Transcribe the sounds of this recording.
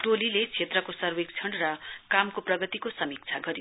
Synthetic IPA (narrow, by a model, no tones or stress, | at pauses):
ʈolilet͡sʰet̪rʌkosʌrwek̚t͡sʰʌɳɖrʌkamkoprʌɡʌt̪ikosʌmik̚t͡sʰaɡʌɾi